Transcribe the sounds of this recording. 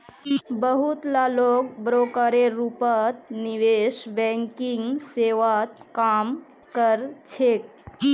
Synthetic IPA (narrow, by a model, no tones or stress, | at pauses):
bəɦut̪lalok̚bɾokəɾeɾupət̪niʋeʃbɛŋkiŋɡseʋat̪kam | kəɾt͡ʃʰek̚